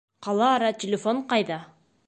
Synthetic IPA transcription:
qɑlˠɑːɾɑtʲɪlʲɪfoɴqɑjðɑ

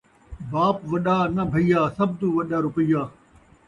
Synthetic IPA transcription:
baːpʋɐɗaːnɐbʱɐijaːsɐb̚d̪uʋɐɗaːɾʊpəijaː

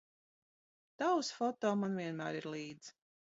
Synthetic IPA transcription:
t̪awsfɔt̪ɔːmanviɛnmæ̰ːɾiɾlˠiːd̪z̥

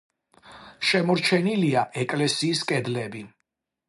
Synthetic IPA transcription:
ʃɛmɔɾt͡ʃʰɛniliaʔɛkʼlɛsiːskʼɛd̪lɛbi

